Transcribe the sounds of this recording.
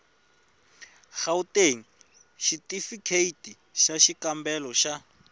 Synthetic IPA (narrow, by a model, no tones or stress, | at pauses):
xauteŋ̩ | ʃitifikʰeiti | ʃaʃikambɛlɔʃa